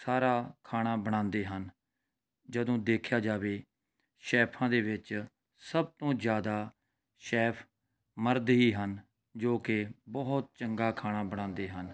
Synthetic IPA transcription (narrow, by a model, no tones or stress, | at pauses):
saːɾaːkʰaːɽ̃aːbəɽ̃ãːnd̪eːɦən | d͡ʒəd̪õːd̪eːkʰjaːd͡ʒaːʋeː | ʃɛːpʰãːd̪eːʋɪt͡ʃ | səb̚t̪õːzjaːd̪aː | ʃɛːpʰ | məɾd̪ɦiːɦən | d͡ʒoːkɪbɔt̪̚t͡ʃəŋɡaːkʰaːɽ̃aːbəɽ̃ãːnd̪eːɦən